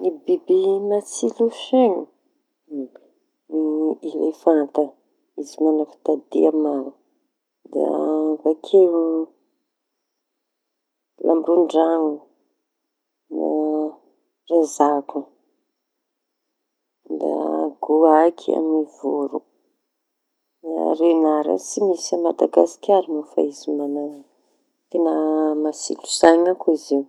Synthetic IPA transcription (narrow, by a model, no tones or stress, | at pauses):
nibibinat͡siluʃeɲu | iɾḛfant̪ə | izimanafi̥t̪ad̪ḭamanu | d̪iavakʰeu | lʔamuɳɖ͡ʐaŋu | na̰ | razaku | d̪a̰ɡ̥uakʰia̰mivuɾu | na̰renaɾa̰t͡simisamad̪aɡasi̥kʲaɾimufa̰izimana | t̪enamasḭlu̥zaɲakuiziw